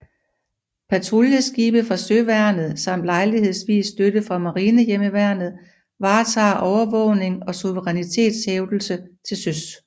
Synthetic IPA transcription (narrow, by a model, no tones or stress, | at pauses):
pʰæt͡sʰʁoljəsɡ̥iːb̥əfʁɑ̈søʋæɐ̰nð̞̩ˠsɑ̈m̰d̥lɑ̈ɪlihe̝ð̰ˠsʋḭːsːd̥ødəfʁɑ̈mɑ̈ʁiːnəjeməʋæɐ̰nð̩ˠ | ʋɑ̈ːt͡sʰɑ̰̈ːʔɒʊɐʋɔ̽ʊne̝ŋɒ̽suʋəʁɛnit͡sʰe̝̰ːd̥sheʊd̥l̩sət͡sʰe̝lsøs